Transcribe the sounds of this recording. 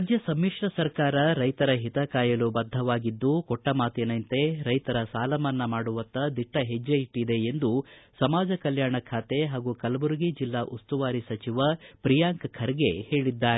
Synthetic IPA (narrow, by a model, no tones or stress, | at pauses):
d͡ʒjɐsɐmːiʂɾɐsɐɾkaːɾɐɾɐjt̪ɐɾɐɦit̪ɐkaːjɐlubɐd̪ʱːɐʋaːɡid̪ːukɔʈːɐmaːt̪jɐnɐnt̪e̞ɾɐjt̪ɐɾɐsaːlɐmɐnːɐmaːɽuʋɐnt̪ɐd̪iʈːɐɦed͡ʒːɐiʈːid̪e̞ːnd̪usɐmaːd͡ʒɐkɐljaːɳɐkʰaːt̪e̞ɦaːɡukɐlbuɾɡid͡ʒilːaʔust̪uʋaːɾisɐt͡ʃiʋɐpɾijaːŋkkʰɐɾɡe̞heːɭid̪ːaːɾe